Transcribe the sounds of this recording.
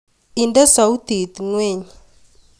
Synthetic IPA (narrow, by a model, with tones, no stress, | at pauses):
i˨nda˦sa˨u˦t̪i˨t̪ŋwe˦˨ɲ